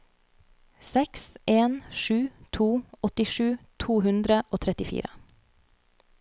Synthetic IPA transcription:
sɛkseːnʃʉːt̪ʰuːɔt̪ɪʃʉːt̪ʰuːhʉnd̪ɾəʔoːt̪ʰɾɛt̪ɪfḭːɾə̰

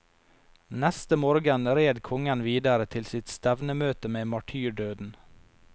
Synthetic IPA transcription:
nɛst̪əmoːɾɡənɾeːd̪kʰɔŋənʋiːd̪ɑɾət̪ʰɪlsɪt̪st̪æʋnəmøːt̪əmeːmɑʈʰyːɖøːd̪n̩

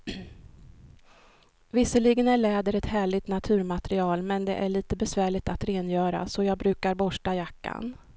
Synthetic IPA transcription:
vɪsːəɭɪɡənæɭɛːd̪əɾɛt̪hæːɭɪt̪nat̪ʰʉ̟ːɾmat̪ɾɪɑːlmɛnd̪ɛ̰ʔæɭiːt̪əbɛsvæːɭɪɡt̪at̪ɾeːnjœːɾa̰sɔjɑːɡ̚bɾʉ̟ːkaɾbɔʂʈajakːa̰n

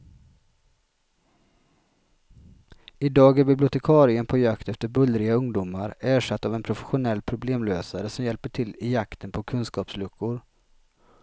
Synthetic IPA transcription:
ɪd̪ɑːɡæɾbɪblɪʊt̪ɛkʰɑːɾɪənpʰɔjakt̪ɛft̪əɾbɵlːɾɪɡaɵŋd̪ʊmaɾæːʂat̪ːaːvɛnpʰɾʊfɛ̥ɧʊnɛlːpʰɾʊbleːmløːsaɾəsɔmjɛlpəʈʰɪlːɪjakt̪ʰənpʰɔkʰɵnskɑːpslɵkʰːʊɾ

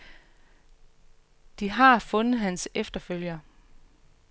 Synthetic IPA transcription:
d̥iɦɑ̈fɔ̽nð̩ˠɦænsefd̥ɐføl̰jɐ

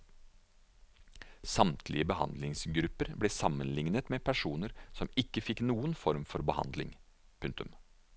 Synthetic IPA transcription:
sɑmt̪ʰlɪ̰əbəhɑ̰nd̪lɪŋsɡɾʉpːəɾbleːsɑmːənlɪŋnət̪meːpʰæʂuːnəɾsɔmɪkːəfɪkːnuːənfɔɾmfɔɾbəhɑ̰nd̪lɪ̰ŋ | pʰʉŋt̪ʉ̰m

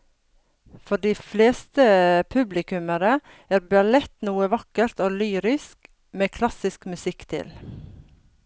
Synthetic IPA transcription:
fɔɖiːfleːst̪əpʰʉblɪkʉməɾə | æːɾbɑlɛt̪nuːəʋɑkəɾt̪oːlyːɾɪsk | meːkʰlɑsɪskmʉsɪkt̪ʰɪ̰l

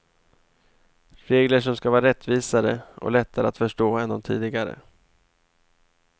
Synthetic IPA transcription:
ɾeːɡləʂɔmskavɑːɾaɾɛt̪ːviːsaɾəɔ̰lɛt̪ʰːaɾəat̪fœʂʈoːɛnd̪ɔmt̪ʰḭːd̪ɪɡaɾə̰

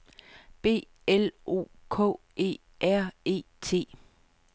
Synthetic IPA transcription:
b̥e̝̰ː | elo̝̰ːkʰɔ̰̽ | e̝̰ː | ʔæɐ̰e̝̰ːt͡sʰe̝̰ː

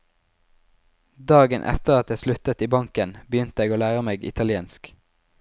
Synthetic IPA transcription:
d̪ɑːɡənʔɛ̰t̪əʁɑt̪jæslʉt̪ət̪iːbɑŋkənbəjʏnt̪əeːɡoːlæːʁəmeːɡɪ̰t̪ʰɑlɪeːnsk

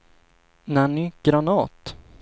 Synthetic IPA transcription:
nanɪɡ̥ɾanɑːt̪

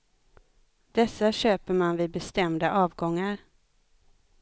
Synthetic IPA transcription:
d̪̥ɛsːaɕøːpəɾmanvɪbɛst̪ɛmd̪aʔɑːvɡɔŋːaɾ

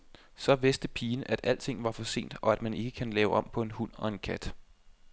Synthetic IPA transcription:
sɒ̽ʋe̝sd̥əpʰiːnəʔæd̥ʔæl̰t͡sʰe̝ŋ̰ʋɑ̈fɒ̽se̝̰ːnd̥ɒ̽æd̥mæne̝ɡ̥əkʰænlɛːʊʔɒ̽m̰pʰɒ̽e̝nɦun̰ɒ̽e̝nkʰæd̥

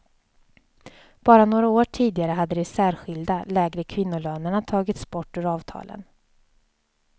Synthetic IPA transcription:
b̥ɑːɾanoːɾaoːʈʰiːd̪ɪɡaɾəɦad̪ːəd̪ɛsæːɾɧɪld̪alɛːɡɾəkʰvɪnːʊløːnaɳat̪ʰɑːɡɪt̪spɔʈːɵɾɑːvt̪ʰɑ̰ːlʔə̰n

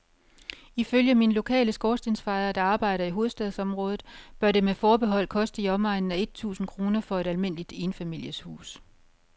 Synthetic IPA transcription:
iføljəminlo̝kʰɛ̰ːləsɡ̥ɒːsd̥e̝nsfɑ̈ɪɐd̥ɑ̈ɑ̈ːb̥ɑ̈ɪ̰ɾɐiɦo̝ːð̩ˠsd̥ɛðˠsɒ̽mʁɔ̽ːð̩ˠb̥ɶɐɾe̝mefɒːb̥e̝ɦɒ̽l̰kʰɒ̽sd̥əiɒ̽mɑ̈ɪ̰nn̩æe̝d̥̚t͡sʰṵːsn̩kʰʁo̝ːnɐfɒ̽e̝ɾælme̝n̰əlid̥e̝ːnfæmil̰jəshṵːs

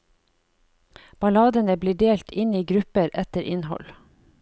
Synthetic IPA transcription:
b̥ɑlɑːd̪ənəbliːɖeːlt̪ʰɪniːɡɾʉpəɾʔɛt̪əɾʔɪnhɔ̰l

